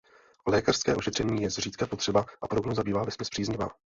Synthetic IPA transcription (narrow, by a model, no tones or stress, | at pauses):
olɛːkar̥skɛ̰ːʔo̞ʃɛt̪r̝̥ɛɲiːjɛzriːt̪kapo̞t̪r̥ɛbaʔapoɾobnowzabiːvaːvɛspɪspr̥iːzɲɪva̰ː